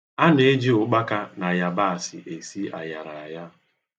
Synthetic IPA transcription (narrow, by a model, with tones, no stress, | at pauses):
a˦ne˨e˦d͡ʒi˦ʊ˨k͡pa˦ka˦na˨ja˦ba˦a˨sɪ̰˨ʔe˨si˦a̰˨ja˨ɾa˨a˨ja˦